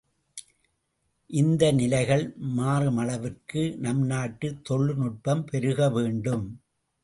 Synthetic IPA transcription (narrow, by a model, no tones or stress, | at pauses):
ʔɪnd̪ɐnɪlɐɪɣɐɭmaːrɯmɐɭɐʋɪrkɯnɐmnaːʈːɯt̪ːɔɭːɯnʊʈ̚pɐmpɛɾɯɣɐʋeːɳɖɯm